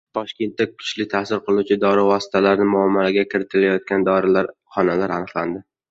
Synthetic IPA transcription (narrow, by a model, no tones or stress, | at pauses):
t̪ʰɒʃkʲe̞nt̪ːakʰʊ̥t͡ʃlɪt̪ʰasɪɾqʰɨlˠut͡ʃʰɪd̪ɒɾɪvɒsɪ̥t̪ʰalaɾnɪmʊamːalaɡʲakʲʰɪɾɪt̪ʰɪlajɒt̪̚kʲand̪ɒɾɪlaɾχɒnalaɾanɨχland̪ɪ